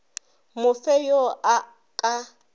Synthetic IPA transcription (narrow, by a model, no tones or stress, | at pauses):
mʊfɛjoa | kʼa